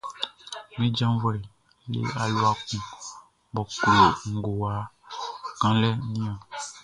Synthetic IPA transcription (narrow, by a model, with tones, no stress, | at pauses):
mĩ˦d͡ʒã˦vɔ˨le˨ | lḛ˦a˨lo˦a˨kũ˨ | bɔ˨ku˨e˨ŋ̩˨ɡo˨wa˨ | ɡ̥ã˦lɛ˦nĩ˦a˨